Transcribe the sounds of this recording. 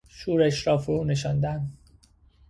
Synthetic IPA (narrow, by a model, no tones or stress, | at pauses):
ʃuːɾeʃɾɒːfoɾuːneʃɒnd̪æn